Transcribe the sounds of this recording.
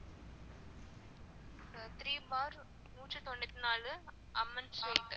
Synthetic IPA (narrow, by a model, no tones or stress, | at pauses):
t̪ɾiːbaːɾ | nuːʈt͡ʃɐt̪ɔnːɪt̪ːɪnaːlɯ | ʔɐmːɐnsoʈ